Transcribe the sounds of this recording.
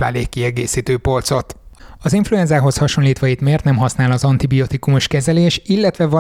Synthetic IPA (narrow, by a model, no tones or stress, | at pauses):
la̰ːleːkːiɛɡeːsiːt̪øːpo̞lt̪so̞t̪ɒziɱfluɛnzaːɦo̞shɒʃo̞nliːt̪ʋɒit̪meːrt̪nɛmɦɒsnaːlɒzɒnt̪ibiot̪ikumuʃkɛzɛleːʃilːɛt̪ʋɛvɒ